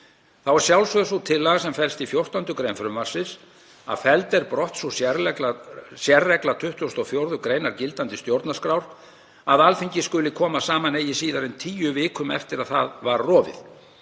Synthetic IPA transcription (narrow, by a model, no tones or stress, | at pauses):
θawɛɾ̥sjawlsvœðsut̪ʰɪlːaɣsɛmfɛlst̪ifjowr̥t̪ant̪ʏkɾejnfɾʏmvar̥sɪs | a̰ðfɛlt̪ɛɾpɾɔht̪susjɛɾɛklasjɛrːɛklat̪ʰʏht̪ʏɔst̪ɔwfjowɾðʏkɾeːjnaɾcɪlt̪ant̪ɪ̥st̪jowɾt̪naskɾawɾ̥ | aðalfiɲcɪskʏlɪkʰɔːmasaːmaneːjɪsiːðaɾɪnt̪ʰiːjʏvɪːkʏmɛ̰ft̪ɪɾaðθaðvaɾrɔːvɪ̰ð